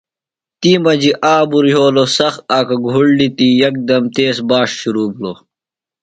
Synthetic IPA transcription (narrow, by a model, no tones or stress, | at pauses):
t̪iːmɐd͡ʑiʔaːbuɾɦoːlosɐxaːkɐɡʱuɽlit̪ijɐk̚d̪ɐmt̪eːsbaːʂɕuɾuːbloː